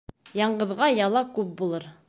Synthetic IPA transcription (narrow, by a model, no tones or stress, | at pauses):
jɑɴʁəbʁɑjɑlˠɑkʉp̚bulˠɤɾ